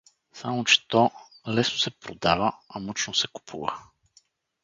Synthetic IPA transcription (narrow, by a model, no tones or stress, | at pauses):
samot͡ʃɛ̥t̪ɔ | lɛsnosɛpɾod̪avəɐmɔt͡ʃnosɛku̥pʰṵvə̰